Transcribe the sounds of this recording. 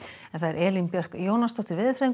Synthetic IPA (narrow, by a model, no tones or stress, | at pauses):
ɛnθaðɛɾʔɛːlimpjœr̥kjoːwnast̪ɔft̪ɪɾvɪðθɾeŋ